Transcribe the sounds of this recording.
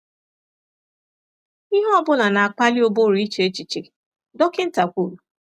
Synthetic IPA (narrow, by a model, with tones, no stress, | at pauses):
i˦ɦɔ˦bʊ˦na˨na˨a˨k͡pa˦li˦o˨bo˦ɾu˨˦i˦t͡ʃe˦t͡ʃi˨t͡ʃe˨ | dɔ˦kɪ˦n̩˦ta˨kʷu˦˨ɾu˨